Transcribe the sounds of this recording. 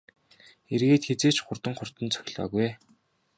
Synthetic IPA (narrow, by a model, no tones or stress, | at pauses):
erɣeːt̪xet͡seːt͡ɕχʊrt̪ə̆ŋχʊr̥t̪ə̆nt͡sʰœ̥xʲɮɔ̰ːɣuj